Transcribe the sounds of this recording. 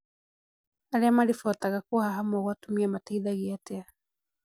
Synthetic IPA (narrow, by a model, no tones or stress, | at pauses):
aɾɛamaɾifɔtaɣakuhaɦamwɔɣwatumiamataiðaɣiatea